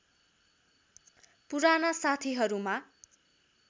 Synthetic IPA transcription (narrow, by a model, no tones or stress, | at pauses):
puɾanasat̪ʰiɦʌɾuma